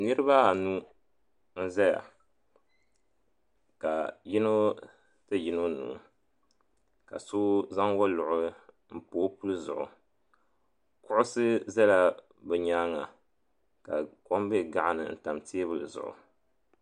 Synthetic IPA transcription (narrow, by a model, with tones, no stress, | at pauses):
nɨ˦ɾɨ˦ba˦a˨nu˦ | n̩˦zɛ˦ja̰˨ | ka˨ji˦no˦ | tɨ˦ji˦no˦nṵː˨ | ka̰˨so˦za˦ŋwɔ˦lʊ˨ʔʊ˦ | m̩˦poː˨˦pu˦lɨ˦zʊ̰˨ʔʊ̰˨ | kʊ˦ʔʊ˦sɨ˦zɛ˦la˦ | bɛ˨ɲaː˦ŋa̰˨ | ka˨ko˦mbɛ˦˨ɡa˦˨ʔa˨nɨ̰˨n̩˨ta˨mti˦e˦bɨ˦lɨ˨zʊ̰˨ʔʊ̰˨